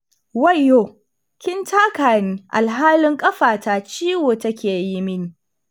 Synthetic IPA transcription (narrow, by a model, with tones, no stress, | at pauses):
wɐ˦˨jːoː˦˨ | kʲɪ˦ntʰaː˦kaː˨niː˦ʔa̰˨lɦaː˦lɪ˦ŋkʼɐ˦ɸaː˨taː˨t͡ʃiː˦woː˨tɐ˦kʲeː˨ji˦mɪ˦niː˨